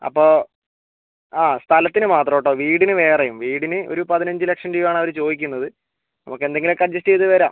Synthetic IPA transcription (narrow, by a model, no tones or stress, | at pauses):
ɐ̰pːo̞ː | aːst̪ʰɐlɐt̪ːinɨmaːt̪rɐʋoʈːoːʋiːɽinɨʋe̞ːrɐjumʋiːɽinɨo̰ɾupɐðinɐɲd͡ʑɨlekʂɐnɖiʋaːɳɐʋɐɾt͡ɕo̞ːd̪ikʲːunːɐðɨ | nɐ̰mukːe̞nd̪e̞ŋɡilkːɐd͡ʑɐsʈijɐðɨʋeːɾa̰ːm